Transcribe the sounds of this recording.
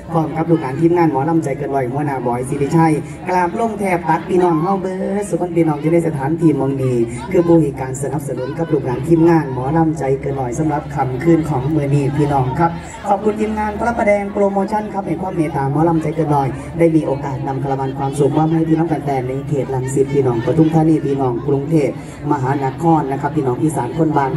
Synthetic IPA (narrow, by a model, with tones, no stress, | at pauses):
pʰɔː˧˩˨mka˧˦p̚luː˨˩k̚naː˨˦nt̪ʰi˧˥˨mŋaː˧˩nmɔː˨˦la˧˥˩mt͡ɕa˧˩jkɤː˧nlɔ˨˩jmu˧˩˨naː˧˩bɔː˨˩jsiː˧biː˧t͡ɕʰa˧˩j | ka˧laː˧˩plu˧˥˩ŋt̪ʰɛː˧˩p̚t̪a˨˦˥k̚pʰiː˧nɔː˧˩ŋɦɔː˧˥˩ŋbɯ˧ɾa˦˧˥su˨˧˩kʰɔ˧˥˨npʰiː˧nɔː˧˩ŋt͡ɕa˧˩na˧˩jsa˧t̪ʰaː˨˦nt̪ʰiː˧˩mɔ˧ŋniː˧˩ | kʰɯː˧˩buː˧˩hi˨˩kaː˧nsa˧˦na˧˦p̚sa˧nu˨˩˦nka˨˧˦p̚luː˨˩k̚naː˨˦nt̪ʰiː˧˥˩mŋaː˧˥˩nmɔː˨˦la˧˥˩mt͡ɕa˧jkɤː˧nːɔ˨˩jsa˨˦mɾa˧˦p̚kʰa˧mkʰɯː˧˩nkʰɔː˩˦ŋmɯ˧niː˧˩pʰiː˧nɔː˧˩ŋkʰa˦˥p̚ | kʰɔː˨˩p̚kʰu˧nt̪ʰiː˧mŋaː˧˥˨npʰa˧la˧˥˩pːa˧dɛː˧ŋpɾoː˧moː˧t͡ɕʰa˧˥˨nkʰa˦˥p̚ha˧˨˩jpʰɔː˧˩˨meː˧t̪aː˨˦mɔː˨˦laː˧˩˨mt͡ɕa˧˦jkɤː˧˨nːɔ˨˩j | daː˥˩jmiː˧ʔoː˧kaː˨˩t̪̚na˧mp̪ʰa˧la˧ma˧nkʰwaː˧msu˨˦kwaː˧˨mɦa˧˥˩jt̪ʰiː˧nɔː˧˥˨ŋka˧nt̪ɛː˧ŋna˧jkʰeː˨˩t̪̚la˧ŋsi˨˧˦t̪̚pʰːiː˧˨nɔː˨˩ŋpt̪ʰu˧˩ŋt̪ʰaː˧˩˨niː˧˩p̪ʰiː˧nɔː˨˩ŋkɾu˧ŋt̪ʰeː˧˥˩t̪ | ma˧ɦaː˨˦na˧˥kʰɔː˧˩nːa˧kʰa˦pʰːiː˧˨nɔː˨˩ŋʔiː˧˩saː˨˦nkʰo˧˥˨nbaː˧˩n